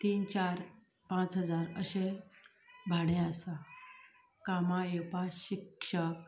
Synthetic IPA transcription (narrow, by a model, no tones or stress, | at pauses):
t̪iːnt͡ɕaɾ | pãt͡sɦəd͡zaɾəɕe | bʱaɽẽasa | kamajepaɕikʂək̚